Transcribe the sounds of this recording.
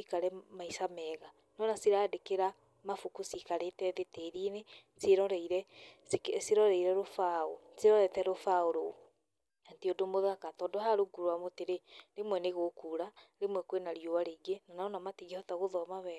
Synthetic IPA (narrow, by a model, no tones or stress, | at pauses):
ikaɾɛmaisamɛːɣa | nɔnasiɾaːdekeɾa | mafukusikaɾetɛðeteːɾine | seɾɔɾɛiɾɛskseɾɔɾɛiɾɛɾofao | seɾɔɾɛtɛɾofaoɾo | anteodomoðakatɔdɔɦaɾoɡuɾwamoteɾeɾemwɛneɣokuːɾaɾemwɛkwenaɾjoaɾeɡenanaɔnamatiɣehɔtaɣoðɔmaβɛ